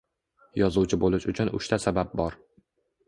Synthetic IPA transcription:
jɒzuwt͡ʃʰɪbolɪʃʊt͡ʃʰʊnʊ̰ʃt̪ʰasabap̚bɒɾ

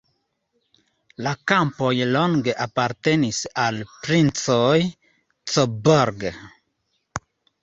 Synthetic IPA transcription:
lakampojloŋɡeʔapaɾt̪e̞nisalpɾint͡soj | t͡soboɾɡ

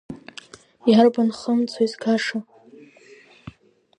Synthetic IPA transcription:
jarbanχəmt͡sʰoizkʰaʂa

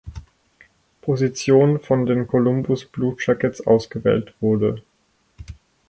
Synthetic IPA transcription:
pʰozit͡sjoːnfɔndeːnkʰolʊmbʊsb̥luːt̚ʃakɛsʔa̰ʊsɡ̥əvɛ̰ːltv̥ʊɐdə

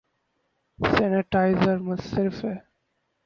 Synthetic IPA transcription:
sɛnɪʈaɪzəɾmɐssɪɾfɛ

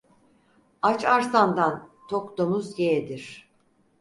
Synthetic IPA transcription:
at͡ʃaɾsand̪ant̪ʰokd̪omuzjeɛd̪iɾ̝̥

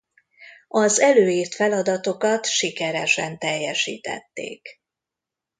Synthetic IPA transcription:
ɒzɛløːiːrt̪fɛlɒd̪ɒt̪o̞kɒt̪ʃikɛɾɛʃɛnt̪ɛjːɛʃḭːt̪ɛ̰t̪ːḛːk

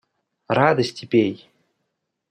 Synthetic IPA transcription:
rad̪əsʲtʲipʲej

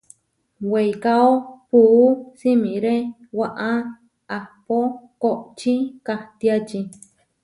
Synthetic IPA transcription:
wejkaopuːsimĩɾe | waʔa | ahpokoʔt͡ʃikaht̪iat͡ʃi

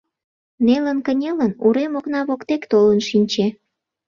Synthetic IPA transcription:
nelənkənʲelənuɾemoknɑβokt̪ekt̪olənʃinʲt͡ɕe

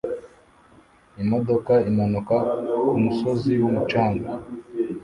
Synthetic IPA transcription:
imodo̞kaimanukakumuso̞ziwumut͡ʃaːŋɡa

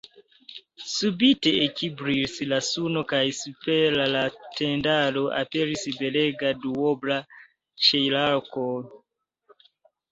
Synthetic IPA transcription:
subiteekibɾisilasunokajsupelalatendaloʔa̰peɾisibeleɡaduobla | ʃejlaɾko

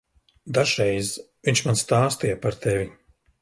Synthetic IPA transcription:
d̪aʒɾɛjz | viɲʲt͡ʃmanst̪aːst̪ijɛpaɾt̪ʰevʲi

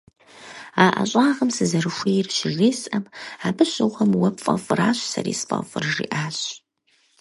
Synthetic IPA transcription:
aːʔɐ̰ɕʼaːʁɐmsɨzɐrɨxʷeːrʃɪɣiːsʼɐmaːbɨɕɪʁʷɐmwɐpfʼɐ̰fʼraːɕʷsɐɾḭːsfʼɐ̰fʷʼɨrʒḭːʔaːɕ

